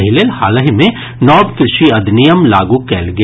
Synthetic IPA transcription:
ɦileːlhaːləɦimẽ | nɔːbkɾɪʃiɐd̪nijəmlaːɡukɛ̰ːlɡ

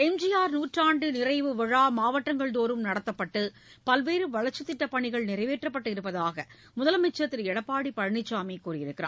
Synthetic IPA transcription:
ɛmd͡ʒɪjaːɾnuːʈraːɳɖɯnɪɾɐɪʋɯʋɐɻaːmaːʋɐʈːɐŋɡɐɭt̪oːɾɯmnɐɽɐt̪ːɐpːɐʈːɯ | pɐlʋeːɾɯʋɐɻɐɾt͡ʃːɯt̪ːɪʈːɐpːɐɳɪɣɐɭnɪɾɐɪʋeːʈrɐpːɐʈːɯɪɾɯpːɐðaːɣɐ | mʊðɐlɐmɛt͡ʃːɐt̪ːɪɾɛɽɐpːaːɽipɐɻɐɳɪt͡ʃːaːmɐɪkːuːrɪjɪɾɯkːɪɾa̰ː

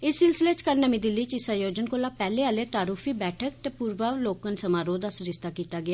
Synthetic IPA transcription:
ɪsːɪlsɪleːt͡ʃkəɾnəmĩːd̪ɪlːiːt͡ʃɪsaːjoːd͡ʒənkoːlaːpɛːleːaːleːt̪aːɾuːfʰiːbɛːʈʰək̚t̪eːpuːɾʋəloːkənsəmaːɾoːd̪aːsəɾɪst̪aːkiːt̪aːɡɪaː

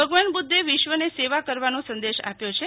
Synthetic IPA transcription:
əɡʋanbud̪ʱːeʋɪʃʋəneseʋakəɾʋanõsə̃nd̪eʃa̰pjot͡ʃʰe

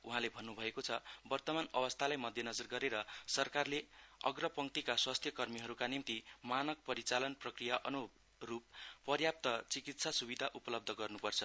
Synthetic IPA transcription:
uɦãlebʱʌnːubʱʌekot͡sʰʌbʌrt̪ʌmanʌbʌst̪ʰalajmʌd̪ʱjʌnʌd͡zʌrɡʌɾeɾʌsʌrkarleʌ̰ɡrʌpʌŋt̪ikaswast̪ʰjʌkʌrmiɦʌɾukanimt̪imanʌk̚pʌɾit͡salʌnprʌkrijaʔʌnu | rupːʌrjap̚t̪ʌt͡sikit̪sasubid̪ʱaʔupʌlʌb̚d̪ʱʌɡʌrnupʌrt͡sʰʌ

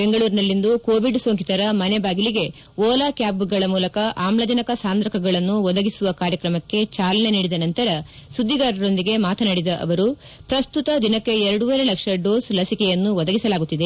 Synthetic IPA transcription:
be̞ŋɡɐɭuːɾinɐlːind̪ukoːʋiɖsoːŋkit̪ɐɾɐmɐnebaːɡiliɡe̞ | ʋɔːlaːkjaːbɡɐɭɐmuːlɐkɐʔaːmlɐd͡ʒɐnɐkɐsaːnd̪ɾɐkʰɐɡɐɭɐnːuʋɔd̪ɐɡisuʋɐkaːɾjɐkɾɐmɐkːe̞t͡ʃaːlɐne̞niːɽid̪ɐnɐnt̪ɐɾɐsud̪ʱːiɡaːɾɐɾo̞nd̪iɡe̞maːt̪ʰɐnɐɽid̪ɐʔɐ̰ʋɐɾu | pɾɐst̪ut̪ɐd̪inɐkːe̞ɛɾɐɽuʋɐɾelɐkʂɐɖo̞ːslɐsikɛjɐnːuʋɔd̪ɐɡisɐlaːɡut̪ːid̪e

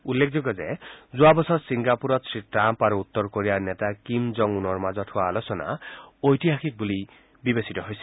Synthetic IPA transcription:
ulːekʰd͡ʒoɡɔzezuabɔsɔtsiŋɡapuɾɔt̪sɹiʈɾampaɾuut̪ːɔɾkoɾianetakimzɔŋunɔɹmazɔtʰuaːlosɔna̰ojtiɦaxʰik̚buli | bibesitɔɦojsɛ̥

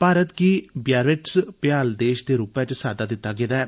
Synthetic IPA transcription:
paːɾət̪kiːbjaːɾɪʈspjaːld̪eːʃd̪eːɾuːpɛ̃t͡ʃsaːd̪aːd̪ɪt̪ːaːɡɪd̪aɛː

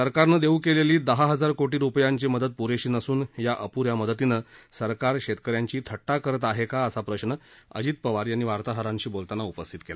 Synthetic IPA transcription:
səɾkaɾnəd̪eukeleliːd̪əɦaɦəd͡zaɾkoʈiːɾupjaɲt͡ɕiːməd̪ət̪̚puɾeɕiːnəsuːnjaʔəpuɾjaməd̪ət̪inəsəɾkaɾɕet̪kəɾjaɲt͡ɕiːt̪ʰəʈːakəɾət̪aɦekaəsapɾəɕnəə̰d͡ʑiːt̪̚pəʋaɾiañiʋaɾt̪aɦəɾãɲɕiːbolt̪anaupəst̪ʰit̪kela

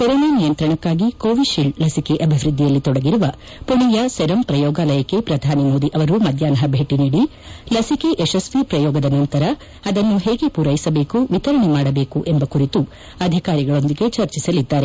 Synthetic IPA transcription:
kɔɾoːnanijɐnt̪ɾɐɳɐkːaːɡikoːʋiʃiɭɖlɐsike̞ʔɐbʱiʋɾɨd̪ʱːijɐlːit̪ɔɽɐɡiɾuʋɐ | puɳijɐsɛɾɐmpɾɐjɔːɡaːlɐjɐkːe̞pɾɐd̪ʱaːnimo̞ːd̪iʔɐʋɐɾumɐd̪ʱjaːnɐɦɐbʱeːʈiniːɽi | lɐsike̞ʔɛʃɐsʋipɾɐjɔːɡɐd̪ɐnɐnt̪ɐɾɐ | ɐd̪ɐnːuɦeːɡe̞puːɾɐjisɐbe̞ːkuʋit̪ɐɾɐɳemaːɽɐbe̞ːkuʔembɐkuɾit̪u | ɐd̪ʱikaːɾiɡɐɭo̞nd̪iɡe̞t͡ʃɐɾt͡ʃisɐlid̪ːaːɾe

